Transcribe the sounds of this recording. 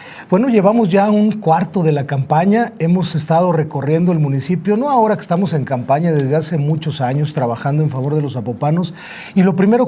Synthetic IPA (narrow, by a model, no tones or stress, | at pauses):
bwe̞noʝe̞βamo̞zʝauŋkwaɾt̪o̞ðe̞lakampaɲae̞mo̞se̞st̪að̞o̞re̞ko̞rje̞nd̪oelmũnisipjo̞no̞ao̞ɾakest̪amo̞se̞ŋkampaɲaðe̞zðe̞ase̞mũt͡ʃo̞saɲo̞st̪ɾaβaxand̪o̞eɱfaβ̞o̞ɾð̞e̞los̬apo̞pano̞s | ilo̞pɾime̞ɾo̞